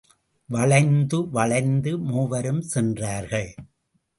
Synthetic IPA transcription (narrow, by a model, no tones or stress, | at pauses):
ʋɐɭɐɪnd̪ɯʋɐɭɐɪnd̪ɯmuːʋɐɾɯmsɛndraːɾɣɐɭ